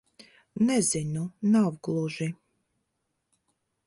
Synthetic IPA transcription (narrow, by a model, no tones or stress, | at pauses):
nɛzinunavɡlˠuʒi